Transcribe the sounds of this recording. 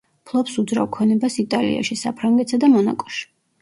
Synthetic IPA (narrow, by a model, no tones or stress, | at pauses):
pʰlˠɔpsud̪zɾa̰vkʰɔnɛbasit̪ʼalḭa̰ʃisa̰pʰɾaŋɡɛt̪sad̪amɔna̰kʼɔ̥ʃi̥